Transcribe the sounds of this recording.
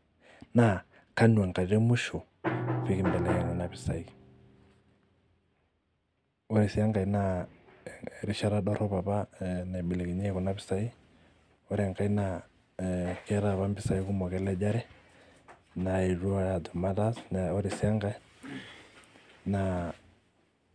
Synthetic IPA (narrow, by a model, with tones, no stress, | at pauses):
na˨ | ka˦n˨a˨ŋka˨d͡ʒɛ˦mʊ˦ʃo˨ | fi˦kɪ˦mbɛ˨lɛ˨kɛ˨ŋɔ˨na˦pɪ̥˨sa˨i | o˦ɾi˨sɪ˦a˦ŋɡa˨i˨˦na˨ | ɾi˦ʃa˦ɾa˦dɔ˦ɾɔ˦pa˨pa˦na˨bɪ˨le˨ki˨ɲɛ˦kɔ˨na˦bɪ˨˦sa˦i˦ | ɔ˦ɾɛ˨ŋka˨˦i˦na˨ | kɛ˦ɾa˨βa˦mbɪ˨sa˨i˦kʊ˦mɔ˨kɛ˦lɛ˦d͡ʒa˦ɾɛ˦ | na˨e˨ɾu˦a˦a˨dɔ˨ma˦da˦snao˦ɾi˨si˦a˦ŋɡa˨˦ | na˨